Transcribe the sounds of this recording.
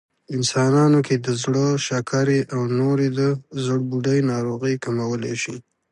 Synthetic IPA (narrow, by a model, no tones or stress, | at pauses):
ɪnsɑnɑnoked̪əzɽəʃakʰaɾeʔawnoɾed̪əzəɽbuɖajnɑɾoɣəjkamawəleʃi